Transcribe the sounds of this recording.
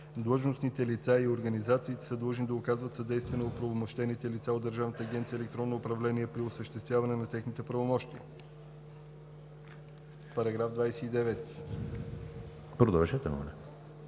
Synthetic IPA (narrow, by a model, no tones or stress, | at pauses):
d̪lˠəʒnosnit̪ɛlit̪saioɾɡɐnizat̪siːt̪ɛ̥səd̪lˠəʒnid̪ɐʊkazvət̪sɐd̪ɛjst̪vɛnɛopɾovomoʃt̪ɛnit̪ɛlit̪saod̪ːəɾʒavnət̪əːɡʲɛnt̪sijɛlɛk̚t̪ɾɔnːoːpɾɐvlɛniɛpɾiosəʃt̪ɛst̪vʲjavɐnɛnɐt̪ɛxnit̪ɛpɾɐvomɔʃt̪iə̰ | pɐɾɐɡɾavd̪vajsɛid̪ɛvɛt̪i̥ | pɾod̪alʒɛt̪ɛmo̰nɛ̰